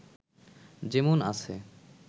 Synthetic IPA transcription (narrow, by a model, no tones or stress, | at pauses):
d͡ʑemona̰t͡ɕʰe